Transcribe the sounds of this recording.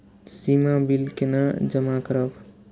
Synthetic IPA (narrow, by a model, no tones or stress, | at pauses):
simabilkenad͡ʒəmakəɾəb